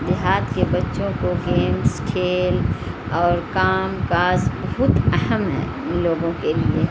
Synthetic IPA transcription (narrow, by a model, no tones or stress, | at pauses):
d͡ʒɪɦaːd̪kebɐtːʃõkoɡeːmskʰeːl | ɔːɾkaːmkaːzbɐɦʊt̪ɐɦəmɦɛ̰ː | loːɡõkelie